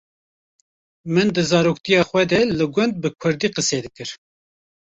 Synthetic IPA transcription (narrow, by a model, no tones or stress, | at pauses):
mɨnd̪ɨzɑːɾoːkt̪ijɑːxwɛd̪ɛlɨɡʷʊnd̪̚bɨkʷʰʊɾd̪iːqɨseːd̪ɨkɨɾ